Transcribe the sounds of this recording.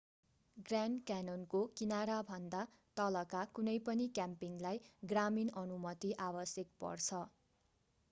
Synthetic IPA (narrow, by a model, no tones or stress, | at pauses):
ɡrankanonkokinaɾabʱʌnd̪a | t̪ʌlʌkakunʌjpʌnikjampiŋlajɡraminʌnumʌt̪iʔabʌsjʌk̚pʌ̰rt͡sʰʌ